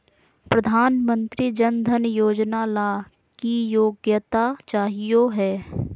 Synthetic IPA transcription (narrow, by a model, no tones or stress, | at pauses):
pɾɐd̪ʱaːnmə̃nt̪ɾid͡ʒənd̪ʱənjoːd͡ʒnalaː | kijoːɡjət̪at͡ʃaːɦijoɦɛː